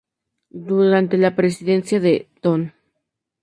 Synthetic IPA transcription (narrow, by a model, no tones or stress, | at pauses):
d̪uɾant̪elapɾesiðensjaðet̪on